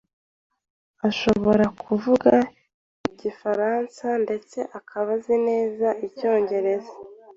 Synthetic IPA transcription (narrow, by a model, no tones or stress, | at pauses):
aʃo̞βo̞ɾakʰuvuɡa | iɟifaɾansande̞t͡se̞ʔakʰaβazine̞ːzaʔico̞ːɲɟe̞ɾe̞za